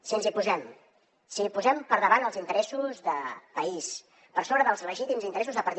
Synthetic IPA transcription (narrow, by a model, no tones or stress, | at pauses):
sinsipuzɛm | sipuzɛmpəɾðəβanəlˠzint̪əɾɛsuzðəpəis | pəɾsoβɾəðəlˠzrəʒit̪imzint̪əɾɛsuzðəpəɾt̪